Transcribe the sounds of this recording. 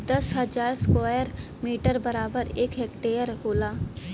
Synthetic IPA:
d̪ɐsɦɐd͡ʒaːɾskaːjəɾ | miːʈəɾbɐɾaːbəɾeːkɦeːkʈeːəɾɦoːlaː

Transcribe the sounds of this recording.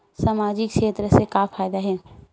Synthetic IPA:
saːmaːd͡ʒɪkʃeːt̪ɾəsekafʰaːjd̪aɦɛː

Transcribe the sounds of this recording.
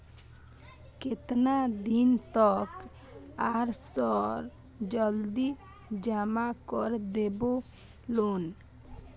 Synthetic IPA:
ket̪nad̪int̪ɔk | aɾsɔɾ | d͡ʒɔld̪i | d͡ʒamakɔɾd̪ebo | lon

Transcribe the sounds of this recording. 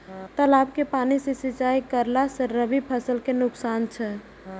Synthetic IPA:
t̪əlabkepanisẽsit͡ʃaikəɾlasəɾːəbipʰəsəlkenʊksant͡ʃʰɛ

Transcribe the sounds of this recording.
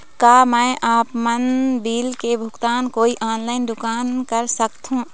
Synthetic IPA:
kaːmɛ̃ːʔaːpmənbiːlkebʱʊɡt̪aːnkoːiʔaːnlaːɪndʊkaːnkəɾsəkt̪ɦũː

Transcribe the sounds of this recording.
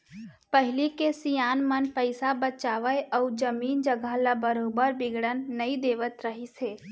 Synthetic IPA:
pəɦɪlikesijaːnmənpəɪsabət͡ʃaːʋəəʊd͡ʒəmiːnd͡ʒəɡʱəlabəɾoːbəɾbɪɡɽənːəĩd̪eːʋət̪ɾəɦiseː

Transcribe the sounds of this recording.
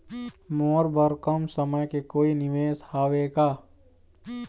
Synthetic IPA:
moːɾbəɾkəmsəməjkekoːinɪʋeːshaːʋeːɡaː

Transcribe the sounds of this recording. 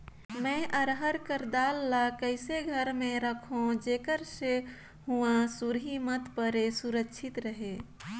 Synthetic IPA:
mɛ̃ʔəɾɦəɾkəɾd̪aːlːakəɪseɡʱəɾmẽɾəkʰõd͡ʒeːkəɾse | huãsuɾɦimət̪pəɾesuɾəkːʃʰɪt̪ɾəɦeː

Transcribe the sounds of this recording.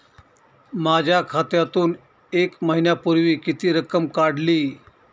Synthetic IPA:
mad͡ʑʱjakʰat̪jat̪uːn | ekməɦinjapuɾʋiːkit̪iːɾəkəmkaɽliː

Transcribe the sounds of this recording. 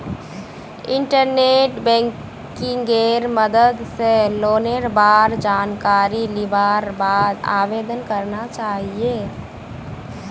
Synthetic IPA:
ɪ̃ɳʈəɾneːʈbɛ̃ːŋ | kɪ̃ŋɡeːɾməd̪əd̪seloːneɾbaːɾd͡ʒaːnkaːɾilɪbaːɾbaːd̪aːʋeːd̪ənkəɾnat͡ʃaːɦieː

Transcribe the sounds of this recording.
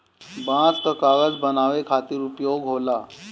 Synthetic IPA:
bãt͡st̪əkaʋət͡sbənaʋekʰat̪iːɾupjoɡɦola

